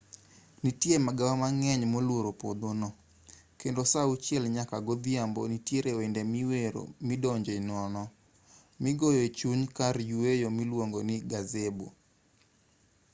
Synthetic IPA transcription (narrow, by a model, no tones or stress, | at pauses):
nitjemaɡawamaŋɛɲmolwoɾopo̰d̪onɔ | kendosaut͡ʃjɛlɲakaɡod̪iambonitjeɾewendemiweɾo̰mɪdɔɲd͡ʒeinɔnɔ | mɪɡojoet͡ʃuɲkaɾjuejomilwoŋɡonɪɡazebo̰